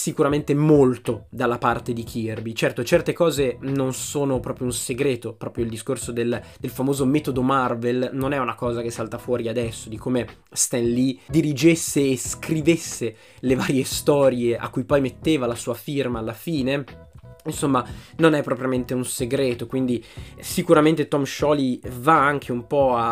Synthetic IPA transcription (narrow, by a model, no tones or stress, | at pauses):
sikuɾament̪emolt̪od̪alːapart̪ed̪ikʰirbit͡ʃɛrt̪ot͡ʃɛrt̪ekɔːzenonsoːnopɾɔːpɾjounseɡɾeːt̪opɾɔːpɾjoild̪iskorsod̪eld̪̥elfamoːzomɛːt̪od̪omarvelnonɛunakɔːzak̟esːalt̪afwɔːɾiad̪ɛsːod̪ikʰoːme | st̪ɛnlid̪iɾid͡ʒesːeːskɾivesːe | leva̰ːɾjest̪ɔːɾjeʔa̰kːujpɔjmet̪ːeːvalasuːafirmaːlːafiːne | insomːanonɛpːɾɔpɾjament̪eunseɡɾeːt̪okwind̪isikuɾament̪et̪ɔmʃɔlivaaŋk̟ʰeumpɔa